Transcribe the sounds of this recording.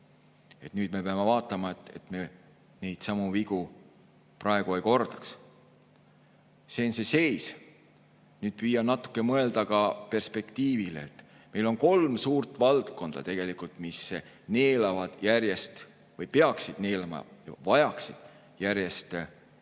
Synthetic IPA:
e̞t̪nyːd̪̥me̞peɑme̞vɑːt̪ːˑɑmɑet̪ːˑe̞̰t̪me̞ | ne̞jd̪̥sɑmuviɡ̥u | prɑe̞ɡ̥uejko̞rd̪̥ɑ̥ks | se̞ːnsese̞js | nyːd̪̥̚pyjːɑnɑt̪ːˑu̥kːˑe̞mɤe̞ld̪ɑkɑpe̞rspe̞kt̪iːvilḛːt̪ːˑ | me̞jlo̞nko̞lmsuːrt̪ːˑvɑlt̪ko̞nd̪̥ɑ̰t̪e̞ɡ̥e̞likult̪ˑmisː | ne̞ːlɑvɑd̪̥jærjest̪ | vɤjpeɑksid̪̥ne̞ːlɑmɑ̰jɑ̰vɑjɑksid̪̥ | jæɾjest̪

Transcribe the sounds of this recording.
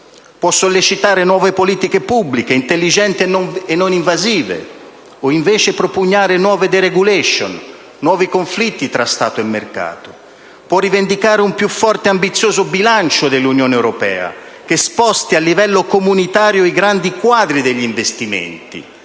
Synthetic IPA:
pwɔsːolːit͡ʃit̪aːɾenwɔːvepoliːt̪ikepubːlikeint̪elːid͡ʒɛnt̪ienːoniɱvaziːvḛ | oiɱvɛːt͡ʃepɾopuɲːaːɾenwɔːved̪eɾeɡulɛʃo̰nː | wɔːvikoɱflit̪ːit̪ɾast̪a̰ːt̪oemːerka̰ːt̪o̥ | pwɔrːivend̪ikaːɾeumpjufːɔrt̪eambit̪sːjoːzʊbilant͡ʃod̪elːunjoːneɛwɾopɛ̰ːa̰k̟espɔst̪ialːivɛlːokomunit̪aːɾjoiɡɾand̪ikwaːd̪ɾid̪eʎːiɱvest̪imḛnt̪ḭ

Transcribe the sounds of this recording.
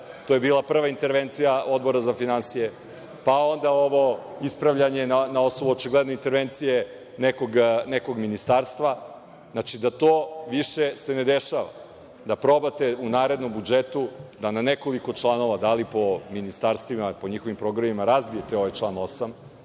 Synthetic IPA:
t̪ojebiːlˠapr̩ʋaint̪e̞ɾʋent̪sijao̞d̪bo̞ɾazafinansije | pao̞nd̪aoʋo̞ | ispɾaʋʎaɲe̞nanao̞snobuot͡ʃiɡlˠed̪no̞int̪e̞ɾʋent̪sije̞ | nekoɡneko̞ɡminist̪aːɾst̪ʋa | znat͡ʃid̪at̪oːʋiʃese̞ned̪eʃaʋa̰ | d̪apɾo̞bat̪eunaːɾe̞d̪no̞mbud͡ʒet̪ud̪ananeko̞liko̞t͡ʃlˠano̞ʋad̪alipo̞minist̪aːɾst̪ʋimapoɲixoʋimpɾo̞ɡɾamimaɾazbije̞t̪eo̞ʋajt͡ʂlˠaːno̞sam

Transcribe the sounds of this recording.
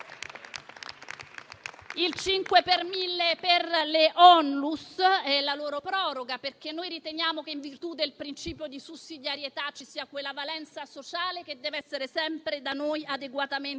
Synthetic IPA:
ilt͡ʃiŋkwepermilːeperleʔɔnlusɛlaloːɾopɾɔːɾoɡaperk̟enːojɾit̪enjaːmokeiɱvirt̪ud̪elpɾint͡ʃiːpjod̪isusːid̪jaɾjet̪at͡ʃːisiːakwelːavalɛnt̪sasot͡ʃaːlek̟ed̪ːɛːveɛsːeɾesɛmpɾed̪anojad̪eɡwat̪amen

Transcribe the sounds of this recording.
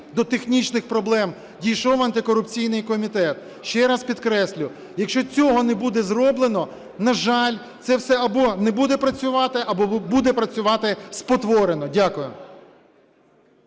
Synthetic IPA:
d̪ɔt̪exnʲit͡ʃnɪxpɾɔblˠɛm | dʲijʃɔwɐnt̪ɪkɔɾʊpt͡sʲijnɪjkɔmʲit̪ɛt̪ | ʃt͡ʃɛɾɑspʲid̪kɾɛsʲlʲʊ | jɐkʃt͡ʃɔt͡sʲɔɦɔnɛbud̪ɛzrɔblˠenɔ | nɐʒɑlʲ | t̪sɛwsɛɐbɔnɛbud̪ɛpɾɐt͡sʲʊʋɑt̪ɪʔɐbɔbud̪ɛpɾɐt͡sʲʊʋɑt̪ɪspɔt̪ʋɔɾenɔdʲakʊjʊ

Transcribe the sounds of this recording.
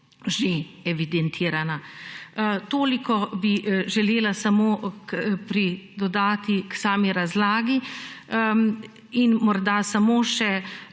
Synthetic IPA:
ʒeɛʋid̪ɛnt̪ʰiːɾana | t̪oːlikɔbiʒɛleːlasamoːkpɾid̪ɔd̪aːt̪iksaːmiɾazlaːɡi | inmɔɾd̪asamoːʃɛ

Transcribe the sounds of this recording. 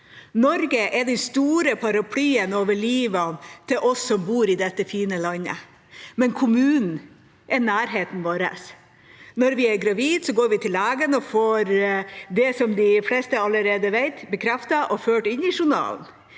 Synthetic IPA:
nɔɾɡəʔɛɖɛnst̪uːɾəpʰɑɾɑpʰlyːənoːʋəɭiːʋɑnt̪ʰɪlʔɔsːɔmbuːɾɪd̪ɛt̪ːəfiːnəlɑnːə̰ | mɛnkʰʊmʉːnn̩ | ʔɛɾnæːɾɦeːt̪n̩ʋoːɾə̰s | nɔɾʋɪæɾɡɾɑʋiːd̪sɔɡoːɾʋɪt̪ʰɪlæːɡənɔfoːɾd̪ɛsɔmd̪ɪflɛst̪əɑlːəɾeːd̪əʋeɪt̪bəkʰɾɛft̪ɑʔɔføːʈɪnɪʂʊɳɑ̰ːln̩

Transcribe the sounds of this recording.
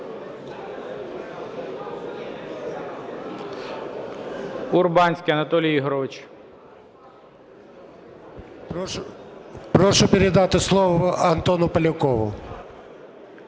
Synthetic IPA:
urbɑnʲsʲkʲijɐnɐt̪ɔlʲiiɦɾɔʋɪt͡ʃ | pɾɔʃʊpʲɪɾɛd̪ɑt̪ɪslˠɔʋɐɐnt̪ɔnʊpɐlʲʊkɔʋʊ̰

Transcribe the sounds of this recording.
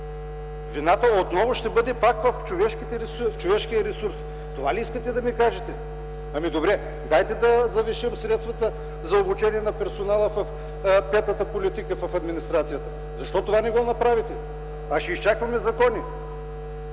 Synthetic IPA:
vinat̪əot̪nɔvʊʃt̪ɛbɤd̪ɛpakvɐft͡ʃovɛʃk̟it̪ɛɾɛsft͡ʃovɛʃkiɐɾɛsuɾs | t̪ovaliiskət̪ɛd̪ɐmikaʒɛt̪ɛ | ɐmid̪obɾɛ | d̪ajt̪ɛd̪ɐzɐviʃəmsɾɛt̪st̪vɐt̪ə | zɐobut͡ʃɛniɛnɐpɛɾsonalˠəfɐf | pɛt̪nɐt̪əpolit̪ikəfɐfɐd̪minist̪ɾat̪sijət̪ə | zɐʃt̪ɔt̪ovanɛɡɔnɐpɾavit̪ɛ | ɐʃɛist͡ʃakvɐmɛzɐkɔni

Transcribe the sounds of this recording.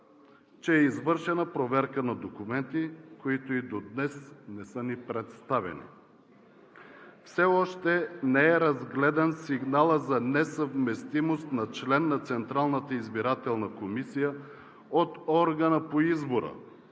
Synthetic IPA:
t͡ʃɛːizvɤɾʃɛnəpɾovɛɾkənɐd̪okumɛnt̪ikoit̪oid̪od̪nɛsnɛsɤnipɾɛt̪st̪avɛ̰nḭ | fsɛɔʃt̪ɛnɛɛɾɐzɡlɛd̪ɐnsiɡnalˠəzɐnɛsəvmɛst̪imost̪nɐt͡ʃlɛnːɐt̪sɛnt̪ɾalˠnət̪əizbiɾat̪ɛlˠnəkomisijə | ot̪ɔɾɡənəpoizboɾə̰

